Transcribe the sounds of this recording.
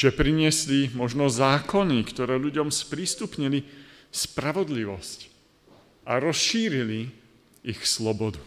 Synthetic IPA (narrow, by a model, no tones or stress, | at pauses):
ʒ̥ɛpɾiɲɪɛslimɔʒnɔzaːkɔnikt̪ɔɾɛːʎuɟɔmspɾist̪upɲili | spɾaʋɔd̪liʋɔsc | ʔaɾɔsʃiːɾili | ixslɔbɔd̪u